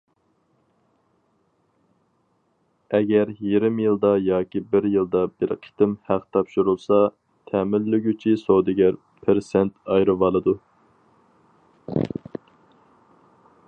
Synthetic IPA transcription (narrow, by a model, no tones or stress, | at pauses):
ɛɡʲɛɾjeɾɪmjɨlˠd̪ɑjɑːkʲibɪɾjɨlˠd̪ɑbɪɾqʰi̥t̪ɪmhæqt̪ʰɑpʃuɾulˠsɑ | t̪ʰɛːmɪlːyɡʲyt͡ʃʰisowd̪ɪɡʲæɾ | pʰɪɾsɛnt̪ɑjɾɨvɑlˠɨd̪u